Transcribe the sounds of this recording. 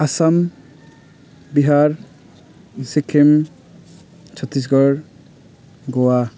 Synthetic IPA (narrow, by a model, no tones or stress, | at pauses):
asam | biɦaɾ | sikʰːem | t͡ʃʰɔt̪ɾis̬ɡɔɾ | ɡɔwa